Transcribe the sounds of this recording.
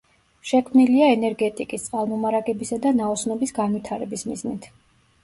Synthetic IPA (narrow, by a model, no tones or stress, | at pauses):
ʃɛkʰmniliaɛnɛɾɡɛt̪ʼikʼist̪sʼalˠmɔmaɾaɡɛbisad̪anaɔsnɔbisɡanvit̪ʰaɾɛbismiznḭt̪ʰ